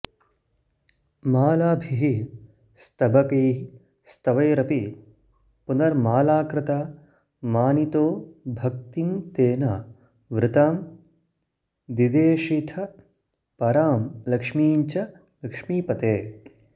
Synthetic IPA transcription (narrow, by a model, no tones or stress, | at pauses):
maːlaːbʱiɦi | st̪ɐbʱɐkɐjɦi | st̪ɐʋɐjɾɐpi | punɐɾmaːlaːkɾɪt̪aː | maːnit̪oːbʱɐk̚t̪int̪eːna | ʋɾɪt̪aːm | d̪id̪eːʃit̪ʰɐ | pɐɾaːmlɐkʂmiːɲt͡ʃɐ | lɐkʂmiːpɐt̪eː